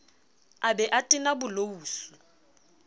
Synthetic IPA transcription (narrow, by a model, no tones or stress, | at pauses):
abɛʔatʼɪnabʊlouːsu